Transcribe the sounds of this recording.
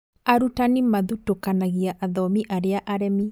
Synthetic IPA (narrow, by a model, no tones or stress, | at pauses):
aɾutanimaðutokanaɣiaʔaðɔmiʔaɾeaʔaɾɛmi